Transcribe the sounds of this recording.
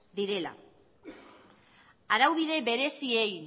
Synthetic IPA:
ðiɾe̞la̰ | aɾawβið̞e̞βe̞ɾe̞siej

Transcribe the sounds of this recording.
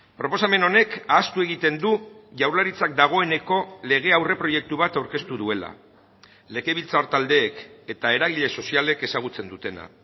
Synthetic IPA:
pɾo̞po̞same̞no̞ne̞kaːst̪ue̞ɣit̪e̞nd̪uʝawɾlaɾit͡sak̚d̪aɣ̞o̞ene̞ko̞le̞ɣ̞e̞awre̞pɾo̞je̞k̚t̪uβ̞at̪awɾke̞st̪uðue̞la̰ | le̞ɣe̞βilt͡sao̞ɾt̪ald̪e̞ːke̞t̪ae̞ɾaɣ̞iʎe̞so̞siale̞ke̞saɣ̞ut͡se̞nd̪ut̪e̞na̰

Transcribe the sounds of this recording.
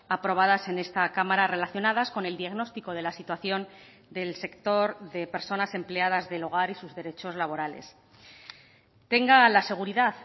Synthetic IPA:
apɾo̞β̞aðase̞ne̞st̪akamaɾare̞laθjo̞naðasko̞ne̞ld̪iaɣno̞st̪iko̞ð̞e̞lasit̪waθjo̞n | d̪e̞lse̞kt̪o̞ɾðe̞pe̞ɾso̞nase̞mple̞aðazðe̞lo̞ɣ̞aɾisuzðe̞ɾe̞t͡ʃo̞zlaβ̞o̞ɾale̞̰s | t̪e̞ŋɡalase̞ɣ̞uɾiðað

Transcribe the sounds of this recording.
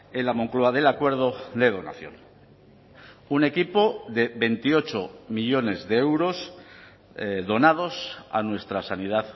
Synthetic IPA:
enlamo̞ŋkloaðe̞lakwe̞ɾð̞oðe̞ð̞o̞na̰θjo̞̰n | une̞kipo̞ðe̞βe̞nt̪io̞t͡ʃomiʎo̞ne̞zðe̞ewɾo̞s | ðo̞nað̞o̞sa̰nwe̞st̪ɾasanið̞aθ

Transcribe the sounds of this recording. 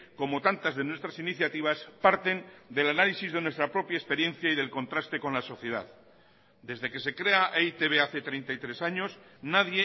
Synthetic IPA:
ko̞mo̞t̪ant̪azðe̞nwe̞st̪ɾasiniθjat̪iβ̞aspaɾt̪e̞nd̪e̞lanalisizðenwe̞st̪ɾapɾo̞pjaespe̞ɾje̞n̟θjaiðe̞lko̞nt̪ɾast̪e̞ko̞nlaso̞θje̞ð̞a̰ð | d̪e̞zðe̞ke̞se̞kɾe̞aʔejt̪eβe̞aθe̞t̪ɾejnt̪ajt̪ɾe̞saɲo̞snaðje

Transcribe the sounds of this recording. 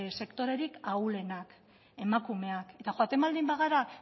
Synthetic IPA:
se̞kt̪o̞ɾe̞ɾikawle̞nak | e̞makume̞ake̞t̪axoat̪e̞mbald̪imbaɣaɾa

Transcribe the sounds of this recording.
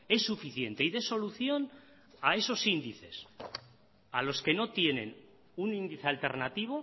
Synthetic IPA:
e̞sːufiθje̞nt̪e̞iðe̞so̞luθjo̞n | ae̞so̞sind̪iθe̞s | alo̞ske̞no̞t̪je̞nẽ̞̰n | unĩnd̪iθealt̪e̞ɾnat̪iβ̞o

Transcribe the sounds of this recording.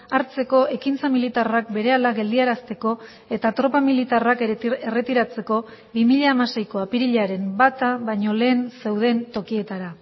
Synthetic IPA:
aɾt͡se̞ko̞ʔe̞kint͡samilit̪arak̚be̞ɾe̞alaɣe̞ld̪iaɾast̪e̞ko̞ | e̞t̪at̪ɾo̞pamilit̪arakere̞t̪iɾat͡se̞ko̞ | βimiʎaːmase̞jko̞apiɾiʎaɾe̞mbat̪aβaɲo̞le̞ːnse̞wð̞e̞ːnt̪o̞kie̞t̪aɾa

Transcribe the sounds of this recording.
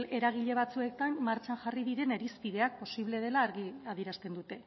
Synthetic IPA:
le̞ɾaɣ̞iʎe̞βat͡sue̞k̚t̪amːaɾt͡ʃanʝariðiɾe̞ne̞ɾispiðe̞ak̚po̞siβle̞ð̞e̞laːɾɣiað̞iɾast̪e̞nd̪ut̪e̞

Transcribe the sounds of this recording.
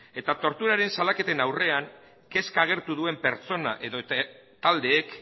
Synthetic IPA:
e̞t̪at̪o̞ɾt̪uɾaɾe̞nsalake̞t̪e̞nawre̞aŋ | ke̞skaɣ̞e̞ɾt̪uðue̞mpe̞ɾt͡so̞na̰ʔe̞ðot̪ald̪e̞ːk

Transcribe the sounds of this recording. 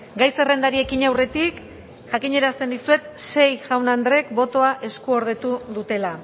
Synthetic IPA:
ɡajse̞re̞nd̪aɾie̞kiɲawre̞t̪ik | ʝakiɲe̞ɾast̪e̞nd̪isue̞t̪se̞jʝawnand̪ɾe̞kbo̞t̪o̞aʔe̞skuo̞ɾð̞e̞t̪uðut̪e̞la

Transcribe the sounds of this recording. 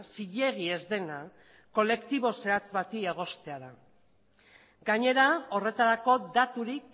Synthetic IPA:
siʎe̞ɣ̞ie̞zðe̞na | ko̞le̞kt̪iβo̞se̞at͡sβat̪ieɣ̞o̞st̪e̞aða | ɡaɲe̞ɾao̞re̞t̪aɾako̞d̪at̪uɾik̚

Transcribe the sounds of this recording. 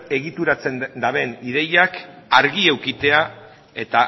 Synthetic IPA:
e̞ɣit̪uɾat͡se̞nd̪aβe̞niðe̞jakaɾɣie̞wkit̪e̞a | e̞t̪a

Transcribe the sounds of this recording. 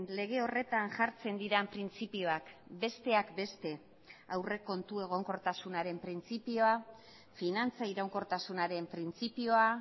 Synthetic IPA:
le̞ɣ̞e̞o̞re̞t̪anʝaɾt͡se̞nd̪iɾampɾint͡sipio̞akbe̞st̪e̞akbe̞st̪e̞ | awre̞ko̞nt̪ue̞ɣ̞o̞ŋko̞ɾt̪asunaɾe̞mpɾint͡sipio̞a | finant͡saiɾawŋko̞ɾt̪asunaɾe̞mpɾint͡sipio̞a

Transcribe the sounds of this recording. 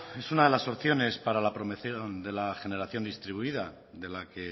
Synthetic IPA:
e̞sunaðe̞laso̞pθjo̞ne̞spaɾalapɾo̞meθjond̪e̞laxe̞ne̞ɾaθjo̞nd̪ist̪ɾiβuiða | ðe̞lake̞

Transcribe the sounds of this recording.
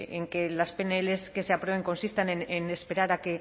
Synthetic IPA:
eŋkelaspeneleskeseapɾweβeŋko̞nsist̪anenenespeɾaɾake

